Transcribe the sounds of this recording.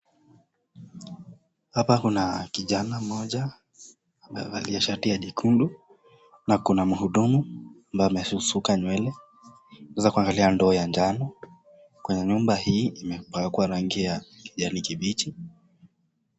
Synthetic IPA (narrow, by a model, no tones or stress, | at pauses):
hapakunakiʄanamɔʄa | mba̰jɔaliɛʃatiaʄikʰundu | nakunamuhuɗumuambajɔmɛsusukaɲwɛlɛ | nɛzakuaŋɡaliandɔːjand͡ʒanɔ | kwɛɲɛɲumbahiːimɛpakuaɾaŋɡiaki̥ʄanikiɓit͡ʃi